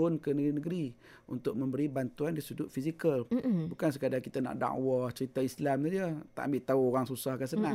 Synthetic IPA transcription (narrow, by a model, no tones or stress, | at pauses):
ʊnkənəɡɾinəɡəɾi | ṵnt̪ʊk̚mə̃mbəɾibant̪uandisudʊʔ̪̚fisikəlbukans̬əkadakit̪ana̰ʔda̰ʔwaht͡ʃəɾit̪aislamad͡ʒət̪aʔambɪʔt̪auoɣaŋsusahkasənã